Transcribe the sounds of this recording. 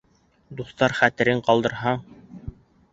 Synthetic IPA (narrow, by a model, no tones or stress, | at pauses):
d̪uθt̪ɑɾχæt̪ɘ̆ɾɘɴqɑlˠd̪ɤ̆ɾɦɑ